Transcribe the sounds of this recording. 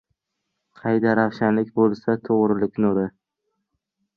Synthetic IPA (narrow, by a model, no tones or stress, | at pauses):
qʰɑjd̪aɾɑχʃanlɪkʲbolˠsat̪ʰoʁɾɪlɪkʲnoɾɪ